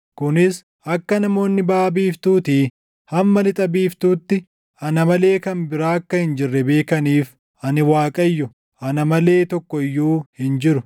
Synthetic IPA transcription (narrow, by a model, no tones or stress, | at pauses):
kʊnɪs | ʔɐkːɐnɐmo̞ːnːɪbaːbiːft̪uːt̪iː | hɐmmɐlɪt̪ʼɐbiːft̪uːt̪ːɪ | ɐnɐmɐle̞ːkɐnbɪɾaːɐkːɐhɪnd͡ʒɪrːɛbe̞ːkɐniːf | ʔɐnɪwaːkʼɐjːʊ | ʔɐnɐmɐle̞ːt̪ɔkːɔɪjːuːhɪnd͡ʒɪɾʊ